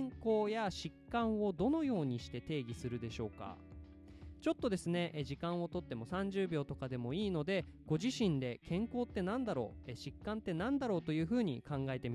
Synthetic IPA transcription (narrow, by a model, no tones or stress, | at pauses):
ŋko̞ːjaɕikːãɰ̃o̞d̪o̞no̞jo̞ːɲ̟iɕi̥t̪e̞t̪e̞ːɡʲisɨɾɯ̟d̪e̞ɕo̞̰ːka̰ | t͡ɕo̞t̪ːo̞d̪e̞sɨne̞ʔʑikãɰ̃o̞t̪o̞t̪ːe̞mo̞sãɲ̟d͡ʑɨːbʲo̞ːt̪o̞kad̪e̞mo̞iːno̞d̪e̞ | ɡ̥o̞ʑiɕĩnd̪e̞kʰẽ̞ŋko̞ːt̪ːe̞nãnd̪aɾo̞̰ːeɕikːãnt̪ːe̞nãnd̪aɾo̞ːt̪o̞jɯ̟ːɸɯ̟ːɲ̟ikãŋɡaet̪e̞mʲi